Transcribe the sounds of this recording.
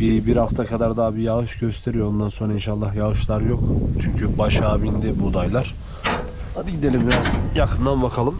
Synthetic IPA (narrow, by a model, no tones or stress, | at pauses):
b̥ibiɾhaft̪ʰakʰad̪aɾd̪aːbijaɣɯʃɟø̞st̪ʰe̞ɾijoond̪anso̞nɾainʃalˠːaɦjaɣɯʃlˠaɾjo̞kt͡ʃʰyɲcʰybaʃaːbind̪ɛbud̪ajlˠaɾ̥ | had̪iɟid̪e̞lʲimvjakʰɯnd̪anbakʰalˠɯm